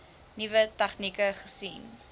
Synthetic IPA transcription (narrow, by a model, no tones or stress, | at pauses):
nivətɐχnikəχəsin